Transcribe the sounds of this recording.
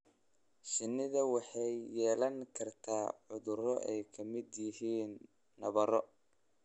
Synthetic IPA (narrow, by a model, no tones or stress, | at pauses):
ʃɪnːɪðɐwɑħɑjːɛːlɐŋkʰɐrt̪ʰaːʕʊðʊɾɔʔɛjkʰɐmɪd̪jɪɦiːnː | ɐβɐɾɔ